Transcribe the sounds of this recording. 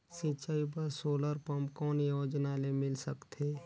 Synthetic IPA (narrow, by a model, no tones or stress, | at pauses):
sɪ̃t͡ʃaːipəɾsoːləɾpəmkɔːnjoːd͡ʒnaːlemɪlsəkt̪ʰeː